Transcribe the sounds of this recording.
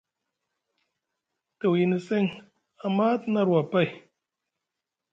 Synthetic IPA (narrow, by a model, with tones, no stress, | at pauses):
tə˨wji˨ni˨se˦ŋ | a˨ma˦tna˦˨ɾwa˨pa˦j